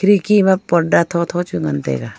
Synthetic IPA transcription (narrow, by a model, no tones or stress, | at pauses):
ɾikimapɔɖat̪ʰot̪ʰot͡ʃuŋɡɐnt̪ḛɡa